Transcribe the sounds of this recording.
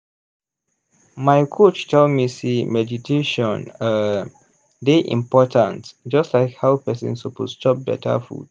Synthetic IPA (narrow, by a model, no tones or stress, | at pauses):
maɪkʰot͡ʃtʰoldmisimɛditʰeʃɔ̃nə | deʔḭ̃mpɔtʰãnsd͡ʒʌstlaɪkhawpɛsə̰̃nsɔpoztɔp̚bɛ̰tʰə̰fṵd̥